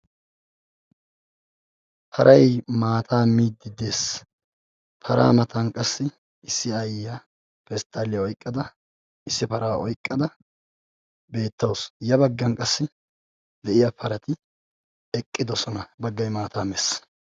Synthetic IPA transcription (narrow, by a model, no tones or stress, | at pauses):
pʰɐɾʔɐjmaːt̪ʰaːmiːd̪ːɪd̪eːs | pʰɐɾa̰ːmɐt̪ɐnkʼɐsːɪ | ɪsːɪɐjːa | pɛst̪ʼːaːlɪjɐɔjkʼːɐd̪ɐ | ɪsːɪpɐɾaːɔjkʼːɐd̪ɐ | be̞ːt̪ːɐwsjɐbɐɡːɐnkʼɐsːɪ | d̪ɛʔɪjapʰɐɾɐt̪ɪ | ɛkʼːɪd̪ɔsɔnɐbɐɡːɐjmaːt̪ʰaːmɛs